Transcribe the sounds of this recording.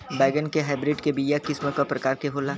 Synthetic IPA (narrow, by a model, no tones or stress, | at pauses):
baːɡənkeɦaːɪbɾɪɖkebijakɪsmẽkapɾɐkaːɾkeɦoːlaː